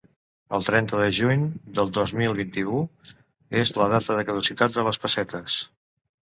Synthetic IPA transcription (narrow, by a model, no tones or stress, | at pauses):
ə̰lˠt̪ɾɛnt̪əðəʒuɲd̪əlˠd̪ozmilˠβint̪iu | ezləðat̪əðəkəðusit̪at̪̚d̪ələspəsɛt̪əs